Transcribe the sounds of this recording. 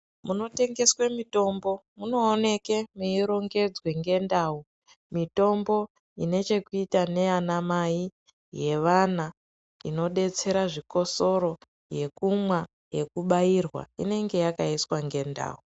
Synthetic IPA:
muno̞te̞ŋɡe̞swemito̞mbo̞muno̞ːne̞kemuiɾo̞ŋɡe̞d͡zweŋɡe̞ndaːu | mito̞mbo̞ | ine̞t͡ʃe̞kuitane̞anamai | je̞ʋana | ḭno̞ɗe̞t͡se̞ɾaʐiko̞so̞ɾo̞ | je̞kumwa | je̞kuɓairwa̰ḭne̞ŋɡe̞jakaiswaŋɡe̞nda̰ːu

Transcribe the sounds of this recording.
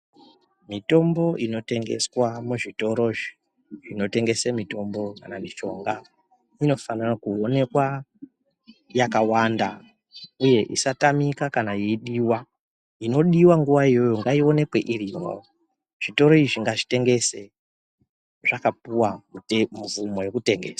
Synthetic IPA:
mito̞mbo̞ino̞te̞ŋɡe̞̰swamuʐito̞ɾo̞ʐi | ino̞te̞ŋɡe̞semito̞mbo̞ka̰namiʃo̞̰ŋɡa | ino̞fanarakuo̞ne̞kwa | jakawanda | uje̞ʔḭsatamikakanaiɗiwa | ino̞ɗiwaŋɡuʋaijo̞joŋɡaio̞ne̞kwe̞ʔirirwa̰wo | ʐ̥ito̞ɾo̞iʐiŋɡaʐite̞ŋɡe̞se | ʐakapuwaumuvumo̞je̞kute̞ŋɡḛːswḁ

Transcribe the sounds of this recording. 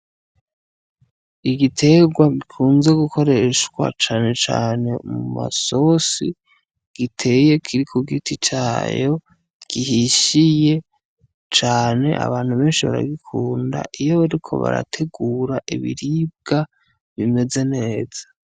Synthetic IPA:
iɡitʰe̞ɡwaɡikʰuːnze̞ɡukʰo̞ɾe̞ʃkwa̰t͡ʃaːne̞t͡ʃa̰ːne̞muma̰so̞si | ɡ̥itʰe̞je̞kʰiɾikʰuɡitit͡ʃa̰ːjo̞ | ɡ̥iɦiʃije̞ | t͡ʃaːne̞̰ʔa̰βaːn̥huβe̞ːnʃiβa̰ɾa̰ɡikʰuːnda̰ʔijo̞βaɾikʰo̞̰βa̰ɾa̰tʰe̞ɡuːɾaʔiβḭɾib̚ɡ̥a | βime̞ze̞ne̞ːz̥a

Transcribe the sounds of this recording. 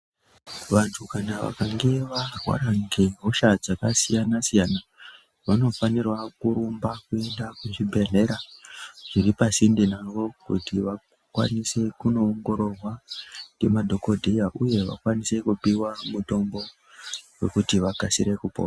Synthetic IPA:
ʋantʰukanaʋa̰kaŋɡe̞ʋarwa̰ɾaŋɡeɦoʃad͡zakasijanasijana | ʋano̞fanirwakuɾumbakue̞ndakuʐibʱe̞ɮe̞ɾaʐ̥iripasindinaʋo̞kṵtiʋa | kwa̰nise̞kuno̞ːŋɡo̞ɾo̞rwaŋɡemadʱo̞ko̞dʱejaʔuje̞ʋa̰kwanise̞kupiwamuto̞mbo̞ | we̞kutiʋaɡʱasiɾe̞kupo̰ːa

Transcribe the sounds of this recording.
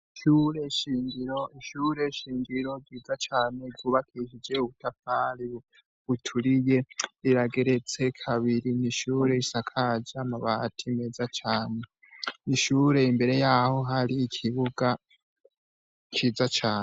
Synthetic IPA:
iʃuɾeiʃiːŋɡiɾo̞iʃuːɾe̞ʃiːŋɡiɾo̞ɡiːd͡zat͡ʃaːne̞ɡuːβakʰiʃid͡ʒe̞uβutafaɾi | βutʰuɾije̞iɾaɡe̞ɾe̞t͡se̞kʰaβiɾiniʃuːɾe̞isakʰad͡ʒaamaβatʰime̞zat͡ʃaːne̞ | niʃuːɾe̞imbe̞ɾe̞jaho̞ɦaɾiːkʰiβuɡa | t͡ʃiːzat͡ʃaːne

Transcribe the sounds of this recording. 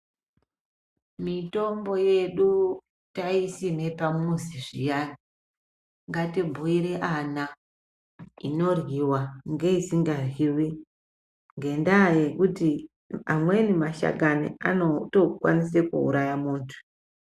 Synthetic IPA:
mito̞mbo̞je̞ɗu | taisime̞pamuziʐijana | ŋɡatibʱuiɾeʔana | ino̞rɣiwaŋɡe̞isiŋɡarwiwi | ŋɡe̞ndajekuti | amwenimaʃa̰ɡanḭa̰notokwa̰nis̬ekṵṵɾajamuːntʰu̥

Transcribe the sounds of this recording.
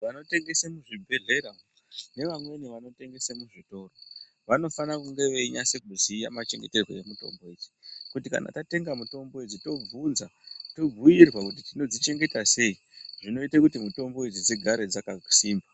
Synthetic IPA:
ʋano̞te̞ŋɡe̞semuʐibʱe̞ɮe̞ɾao | ne̞ʋamwe̞niʋano̞te̞ŋɡe̞semuʐito̞ːro | ʋano̞fanakuŋɡe̞ʋe̞iɲaseɡ̚ʱuzijamat͡ʃe̞ŋɡe̞terwo̰jemuto̞̰mbo̞eːd͡zikutika̰na̰tate̞ŋɡamuto̞mbo̞ed͡zito̞b͡vunzato̞b͡vʱujirwakut̬itino̞d͡zit͡ʃe̞ŋɡe̞tase̞i | ʐino̞itakutimuto̞mbo̞ed͡zid͡ziɡʱaɾed͡zakasiːmba

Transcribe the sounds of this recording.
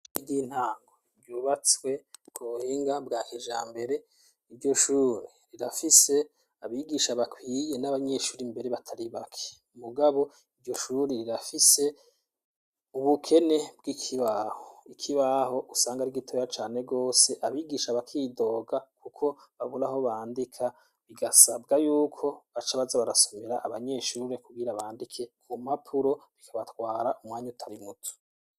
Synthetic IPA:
idiːn̥haːŋɡoijuβat͡swe̞b̚ɡohiːŋɡabɡaːheʒa̰ːmbe̞ɾe̞ | iɾɟo̞ʃuːɾiɾiɾafise̞ | aβiːɡiʃaβakʰwiːje̞naβaɲe̞ʃuːɾimbe̞ɾe̞βatʰaɾiβakʰe̥ | muɡaβo̞ | iɾɟo̞ʃuːɾiɾiɾafise̞ | uβukʰe̞ne̞bɡikʰiβahoikʰiβaɦo̞ʔusaːŋɡaɾiɡitʰojat͡ʃaːne̞ɡo̞ːse̞ʔaβiːɡiːʃaβakʰiːdo̞ːɡakukʰo̞βaβuɾaɦo̞βaːndikʰa | βiɡasabɡajuːkʰo̞βat͡ʃaβazaβaɾaso̞meɾaʔaβaɲe̞ʃuːɾe̞kuɡiɾaβaːndikʰe̞kʰumapʰuɾo̞βikʰaβatwaːɾaʔumŋwaːɲutʰaɾimutʰu̥

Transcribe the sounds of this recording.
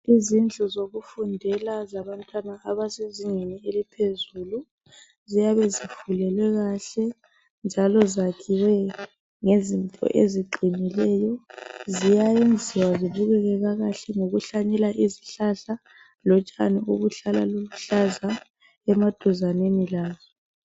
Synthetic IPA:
izind͡ɮʱɔzoɣufundʱɛlazaβantʼwanaaβaseziŋenielipʰezuːlu | zijaβɛzifulɛlwɛɣaɬɛ | nd͡ʒʱalɔzakʰiwɛ | ŋezintʼɔ̰ʔeziǃʱinilɛjɔzijajend͡zʱiwaziβuɣɛɣɛɣaɣaɬɛŋoɣuɬaɲɛlaʔiziɬaɬa | lɔt͡ʃʼa̰niuɣuɬala̰luβuɬaza | ɛmad̥ʱuzanenilaːzɔ

